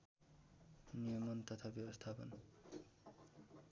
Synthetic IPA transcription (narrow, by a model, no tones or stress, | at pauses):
nijʌmʌnt̪ʌt̪ʰabjʌbʌst̪ʰapʌ̰n